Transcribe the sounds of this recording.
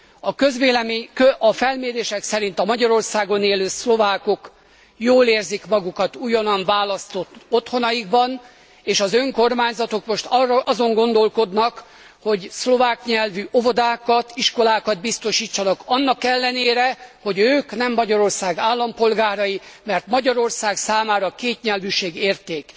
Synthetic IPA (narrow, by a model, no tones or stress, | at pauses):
ɒkøzʋeːlɛmekøɒfɛlmeːɾeːʃɛksɛɾint̪ɒmɒɟɒɾo̞rsaːɡo̞neːløːslo̞vaːko̞k | joːleːrzikmɒɡukɒt̪ujɒnɒnvaːlɒst̪o̞t̪ːo̞t̪ho̞nɒjiɡbɒn | eːʃɒzø̞ŋko̞rmaːɲzɒt̪o̞kmo̞ʃt̪rʔɒzo̞ŋɡo̞nd̪o̞lko̞d̪nɒk | ho̞ɟslo̞vaːkɲɛlvyʔo̞vod̪aːkɒt̪iʃko̞laːkɒd̪̚bist̪o̞ʃiːt͡ʃːɒnɒkɒnːɒkɛlːɛneːɾɛho̞ɟøːknɛmːɒɟɒɾo̞rsaːɡaːlːɒmpo̞lɡaːɾɒjimɛrt̪mɒɟɒɾo̞rsaːɡsaːmaːɾɒkeːt̪ɲɛlvyʃeːɡeːrt̪eːk